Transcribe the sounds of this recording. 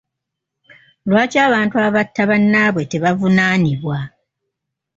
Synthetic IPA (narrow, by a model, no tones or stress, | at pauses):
lwaːcaːβaːntuaβatʰːaβanːaːβwe̞te̞βavunaːniβwa